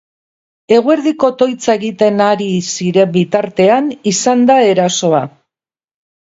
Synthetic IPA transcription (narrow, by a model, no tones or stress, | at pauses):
e̞ɣ̞oe̞ɾðiko̞t̪o̞jt͡sae̞ɣit̪e̞naɾisiɾe̞mbit̪aɾt̪e̞anisand̪ae̞ɾaso̞a